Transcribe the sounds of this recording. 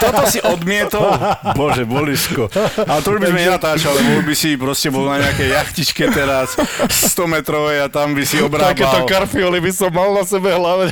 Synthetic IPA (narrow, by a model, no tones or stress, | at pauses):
t̪ɔt̪ɔsiʔɔd̪mɪɛt̪ɔlbɔʒɛbɔliʃkɔalt̪ɔuʒbizmɛɲɛnat̪aːt͡ʃallɛbɔuʒbisipɾɔscɛbɔlnaɲɛakɛjjaxcit͡ʃkɛt̪ɛɾasst̪ɔmɛt̪ɾɔʋɛjat̪ambisiɔbɾt̪aabkɛːaɔkaɾfiɔlibisɔmːalnasɛbɛɦlaʋɛ